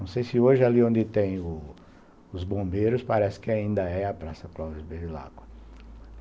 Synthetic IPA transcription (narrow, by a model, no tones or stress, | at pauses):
ɐ̃w̃sejsɪoʒɪaliõnd̪ɪt̪ẽj̃ʊ | ʊzbõmbejɾʊspaɾɛsɪ̥kɪaĩnd̪ɐɛɐpɾasɐklɔvɐzbeɾɪla̰ɡwɐ